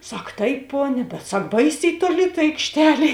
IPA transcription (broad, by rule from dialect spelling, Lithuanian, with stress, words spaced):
ˈsɐk ˈtɐɪp ˈpoːnʲɛ bʲɛt ˈsɐk ˈbɐɪsʲɛɪ toːˈlʲɪ tɐ ɐɪkʃʲˈtʲæːlʲeː